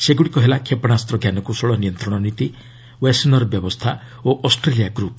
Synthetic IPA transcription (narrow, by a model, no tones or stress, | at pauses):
seɡuɽikɔɦelakʰepɔɽ̃ast̪ɾɔɡjanɔkusɔɭɔnijɔnt̪ɾɔɽ̃ɔnit̪i | wesinɔɾɔbjɔbɔst̪ʰa | oʔɔsʈɾelijaɡɾup